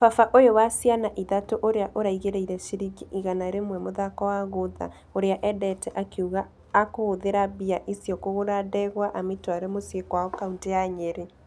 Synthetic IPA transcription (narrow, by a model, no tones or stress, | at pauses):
fafaʔojowasianaʔiðatoʔoɾeaʔoɾaiɣeɾɛiɾɛʃiɾiɣiʔiɣanaeɾemwɛmoðakɔwaɣoða̰ | oɾeaʔɛdɛtɛʔakeuɣaː | kooðeɾabiaʔisjɔkoɣoɾadɛɣwaʔamitwaɾemosiekwaɔkaunteaɲeɾe